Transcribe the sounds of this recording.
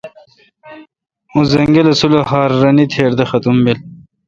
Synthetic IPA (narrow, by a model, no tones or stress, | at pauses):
ũzɐŋɡelɐsulohaːɾːɐnit̪ʰeːɾd̪ɐxɐt̪umbil